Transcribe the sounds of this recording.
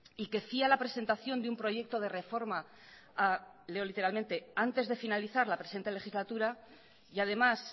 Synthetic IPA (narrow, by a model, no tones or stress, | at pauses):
ike̞fialapɾe̞se̞nt̪aθjo̞nd̪eumpɾo̞ʝe̞k̚t̪o̞ð̞e̞re̞fo̞ɾma | aleolit̪e̞ɾalmẽ̞nt̪e̞ant̪e̞zðe̞finaliθaɾlapɾesent̪ele̞xizlat̪uɾa | jað̞e̞mas